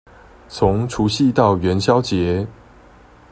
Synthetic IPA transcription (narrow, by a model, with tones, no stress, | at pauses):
t͡sʰʊ˨˦ŋʈ͡ʂʰu˨˥ɕi˥˨t̪ɑ˥˩ʊɥɛ˨˥nɕjɑ˦ʊt͡ɕjɛ˨˦